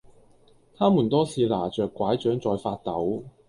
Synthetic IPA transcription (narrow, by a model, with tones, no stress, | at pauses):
t̪ʰaː˥muː˨˩nt̪ɔː˥sʰiː˨˧laː˨˩t͡ʃœː˨kʷːwaː˨˥jt͡ʃœː˨˥ŋt͡sɔː˨jfaː˧t̚t̪ɐ˨˥w